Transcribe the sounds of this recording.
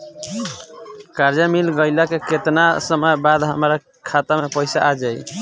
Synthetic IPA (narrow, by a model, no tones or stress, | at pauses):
kaɾd͡ʒamilɡəjlakeket̪nasəməjbad̪ɦəmɾa | kʰat̪amepəɪsa̰ʔad͡ʒaj